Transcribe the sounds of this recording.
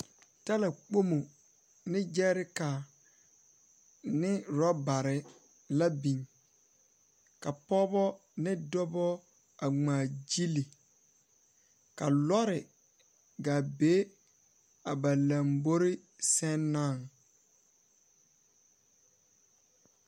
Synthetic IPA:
ta˦la˨k͡po˦mo˨ | nɪ˦d͡ʒɛ˦ɾɪ˦ka˨ | nɪ˦ɾɔ˦ba˨ɾɪ˨ | la˦bi˨ɲ | ka˨pɔ˦bɔ˦ | nɪ˦dɔ˦bɔ˦ | a˨ŋ͡maː˨d͡ʒi˦li˨ | ka˨lɔ˦ɾɪ˨ | ɡa˨be˦ | a˨ba˨lã˨mbo˦ɾɪ˦ | sɛ˦nːa˦˨ŋ

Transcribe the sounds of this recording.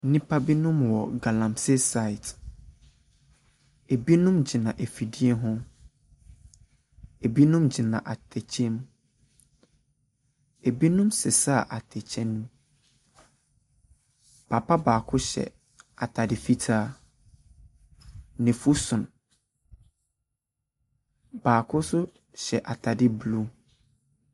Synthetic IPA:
nĩ˦pʰa˦bi˦nũ˦mwɔ˨ɡa˨lã˨msɪ˦sa˦˨i˨t | e˨bi˦nũ˦md͡ʑɪ˨nã˨ʔe˨fi˨di˦e˦ɦʊ̃˦ | e˨bi˦nũ˦md͡ʑi˨nã̰˨ʔa˨tʰɛ˨t͡ɕʰẽ˦m | e˨bi˦nũ˦msɪ˨sa˦˨ʔa˨tʰɛ˨t͡ɕʰɛ̃˦nũ˦ | pʰa˨pʰa˦baː˨kʰʊ˦ɕɛ̰˨ | a˨tʰa˨dɪ˨fi˦tʰaː˦ | nɪ̃˨fu˦sʊ̃˨n | b̥aː˨kʰʊ˦sʊ˦ | ɕɛ˨ʔa˨tʰa˨dɪ˦blu˦

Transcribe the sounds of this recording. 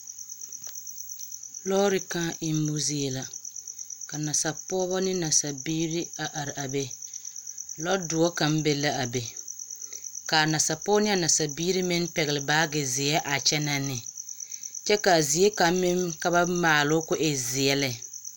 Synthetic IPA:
lɔ˦ɾi˦kã˦ʔɪ˦m˦bʊ˦zi˦ɛ˦la˨ | ka˨na˨sa˨pɔː˦bɔ˦nɪ˦na˨sa˨biː˦ɾi˦a˨ʔa˨ɾɪ˨ʔa˨be˦ | lɔ˦dʊ˨ɔ˦ka˨m˦be˦la˦ʔa˨be˨ | ka˨na˨sa˨pɔː˦nɪ˦a˨na˨sa˨biː˦ɾi˦mɪ˦n˦pɛ˨ɣɪ˨lɪ˨baː˦ɡɪ˨zɪ˨ɛ˦ʔa˨t͡ʃɛ˦na˦nːɪ˨ | t͡ʃɛ˦ka˨zɪ˨je˦ka˨˦mɪ˦mka˦ba˦maː˨lʊ˦kʊ˦ʔɛ˨zɪ˨ɛ˦lɪ˨

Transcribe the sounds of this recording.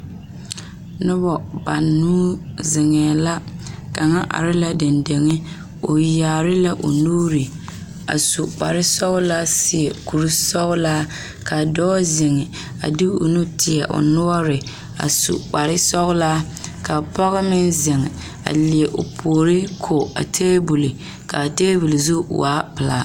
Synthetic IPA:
nʊ˦bɔ˨ba˨nːuː˦zɪ˨ŋɛː˨la˦ka˨ŋa˦ʔa̰˨ɾɪ˦la˦dɪ˨nde˨ŋɪ˦ | o˨jaː˨ɾɪ˦la˦ʔo̰˨noː˦ɾɪ˨ | a̰˨su˨k͡pa˨ɾɪ˦sɔ˦ɣʊ˦la˦sɪ˦ɛ˨ku˨ɾu˦sɔ˦ɣʊ˦laː˦ | ka˨dɔ˦zɪ˨ŋɪ˨ | a̰˨dɪ˦o̰˨nu˦tɪ˨a˨ʔo̰˨nʊ˦ɔ˦ɾɪ˨ | a̰˨sṵ˨k͡pa˨ɾɪ˦sɔ˦ɣʊ˦laː˦ | ka˨pɔ˦ɣɪ˦mɪ˦nzɪ˨ŋɪ˨ | a̰˨li˨ɛ˨ʔo˨pʰoː˨ɾi˦kʰo˨a̰˨tʰeː˦bu˨lɪ˨ | ka˨teː˦bu˨lɪ˨zṵ˦˨waː˦pɨ˨la˦

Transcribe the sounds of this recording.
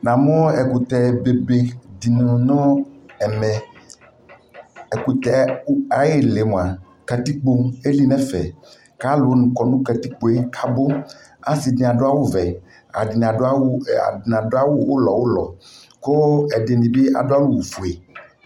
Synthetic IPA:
nã˨mɔ̃˦ɛ˨ku˨t̪ɛ˨be˨be˦di˨nũ˨nɔ̃˦ɛ˨mɛ˨ | ɛ˨ku˨t̪ɛ˨˦a˨je˦le˨mõ˨a˨ | kɛ˨t̪i˦k͡po˦e˦li˦nɛ̃˦fɛ̰˨ | ka˦lo˨nũ˨kɔ˨nũ˦kɛ˨t̪i˦k͡po˦e˦kʰa˦bo˦ | a˦si˨dĩ˨a˨ɖo˦a˦wo˦vɛ˨ | a̰˨di˨n˨a̰˨˦˨n˨ã˨do˦a˦wo˦wo˦lɔ˨wo˦lɔ˨ | ko˦ɛ˨de˨nĩ˨be˦a̰˨do˦a˦nũ˦wo˨fu˨e˨

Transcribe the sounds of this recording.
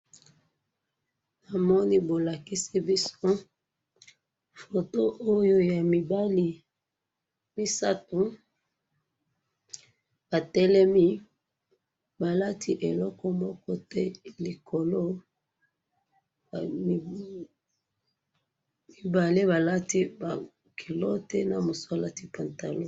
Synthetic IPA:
na˨mɔ˦ni˦bo˨la˨ki˦si˦bi˦so˦ | fo˨to˦ʔo˦jo˦ja˨mi˨ba˦li˦ | mi˦sa˦tu˨ | ba˨tɛ˦lɛ˦mi˦ | ba˨la˦tʰi˦ʔe˨lɔ˦kɔ˦mɔ˦kɔ˦tɛ˦li˨kʰo˨lo˦˨ | mi˨ba˨li˦ba˨la˦ti˦ba˨ | kʰi˨lo˦tɛ˦na˨mo˨sa˦la˨ti˦˨pa˨nta˨lo˦

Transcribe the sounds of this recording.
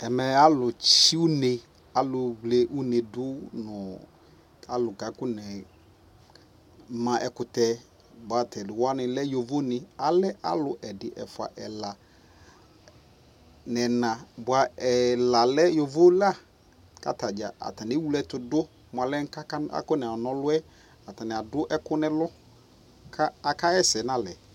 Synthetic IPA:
ɛ˨mɛ˨a˦lʊ˨t͡ʃi˦u˦ne˨ | a˨lʊ˨wlɛ˦ʔu˦ne˨dʊ˦nʊ˨ | a˨lʊ˨ɡa˨˦kʊ˦nɛ˨ | mã˨ʔɛ˨kʊ˨tɛ˨ | bʊ˨a˨tʰɛ˨lɪ˨wa˦nɪ˨lɛ˦jo˨vo˦nɪ˨a˨lɛ˦ʔa̰˦lʊ˨ʔɛ˨dɪ˨ʔɛ̰˨fʊ˨a̰˨ʔɛ˨la˨ | nɛ˨nã˨bʊ˨a˨ɛ˨la˨lɛ˦jo˨vo˦la˦˨ | ka̰˨ta˨d͡ʒa̰˨ʔa̰˨ta˨nɪ˨˦wu˦lɛ˦tʊ˨dʊ˦ | m˨a˨lɛ˦ŋ̩˦ka˦a˦a̰˦kʊ˦nɛ˨ɔ˨nɔ̃˦lʊ˦ɛ˦ | a˨ta˨nɪ˨a˨dʊ˦ʔɛ˦kʊ˦nɛ̃˦lɔ˦ | kʰa˦a˨ka˦ɛ˦sɛ˨˦nã˨lɛ˨

